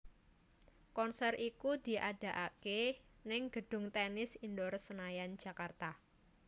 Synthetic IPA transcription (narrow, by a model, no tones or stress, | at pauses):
kɔnsɛrʔikud̪̥i̤ʔad̥ä̤ʔakenɪŋɡ̥əɖ̥ʊ̤ŋt̪ɛnɪsindɔrsənajan̥d͡ʒ̥ä̤kart̪a